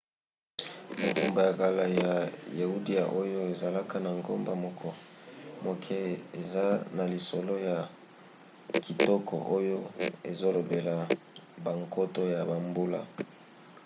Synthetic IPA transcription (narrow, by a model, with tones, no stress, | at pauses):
mo˨ku˨mba˨ja˨ka˨la˨ja˨ja˨u˦di˦a̰˨ʔo˦jo˦e˨za˨la˦ka˦na˨ŋɡo˦mba˨mɔ˨kʰɔ˦mo˨kʰɛ˦e˨za˦na˨li˨so˨lo˦ja˨ | ki˨tɔ˦kʰɔ̰˨ʔo˦jo˦e˨zo˦lo˨be˨la˨ | ba˨ŋko˦to˦ja˨ba˨mbu˦la̰˦